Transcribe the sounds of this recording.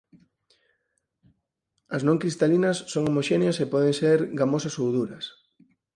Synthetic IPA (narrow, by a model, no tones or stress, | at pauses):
ɐznõŋkɾist̪alinɐsːoŋomoʃeneɐsepɔðeŋseɾɡamosɐsowðuɾɐs